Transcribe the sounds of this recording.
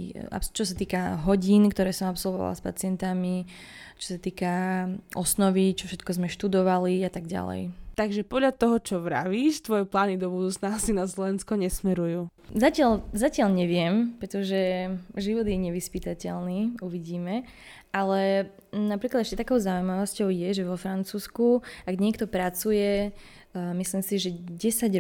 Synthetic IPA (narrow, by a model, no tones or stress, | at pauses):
a̰pst͡ʃɔsat̪iːkaɦɔɟiːnkt̪ɔɾɛːsɔmapsɔlʋɔ̰ʋa̰laspa̰t͡sɪɛnt̪ami | t͡ʃɔ̥sat̪iːkaʔɔsnɔʋit͡ʃɔ̥fʃɛt̪kɔzmɛʃt̪ud̪ɔʋaliat̪aɡɟa̰lɛ̰jt̪aɡʒɛpɔd̪ʎat̪ɔɦɔt͡ʃɔʋɾa̰ʋiːʃt̪ʋɔjɛplaːnid̪ɔbud̪uːt͡snaasinaslɔʋɛnskɔɲɛsmɛɾujuː | zacɪaʎzacɪaʎɲɛʋɪɛmpɾɛt̪ɔʒɛʒiʋɔd̪jɛɲɛʋispit̪acɛlniuʋiɟiːmɛ | ʔalɛ | napɾiklad̪ɛʃcɛt̪akɔʊzaujmaʋɔscɔʊjɛʒɛʋɔfɾant͡suːskuaɡɲɪɛk̚t̪ɔpɾat͡sujɛ | misliːmsiʒɛɟɛsaɟ